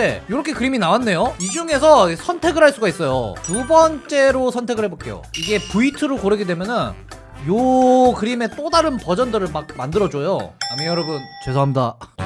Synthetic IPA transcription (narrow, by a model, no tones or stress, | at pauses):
ejoɾʌkʰe̞kɯɾiminawanːe̞joid͡ʑuŋe̞sʰʌsʰʌntʰe̞ɡɯɭɦaɭs͈uɡais͈ʌjo̰tubʌnt͡ɕ͈e̞ɾosʰʌntʰe̞ɡɯɭhe̞bok͈e̞̰jo̰iɡe̞puitʰɯɾokoɾɯɡidwe̞mjʌnɯn | jokɯɾime̞t͈odaɾɯnpʌd͡ʑʌndɯɾɯɭmak̚mandɯɾʌd͡ʑojoamijʌɾʌbɯnt͡ɕwe̞sʰoɦamda